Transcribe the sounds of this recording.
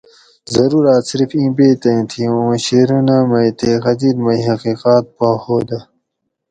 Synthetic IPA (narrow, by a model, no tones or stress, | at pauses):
zɐɾuːɾaːt̪siɾfĩːbeːt̪ɐ̃ĩt̪ʰiũɕeɾunamɐjt̪exɐd̪iːlmɐjɦɐqiːqaːt̪̚pahoːd̪ɐ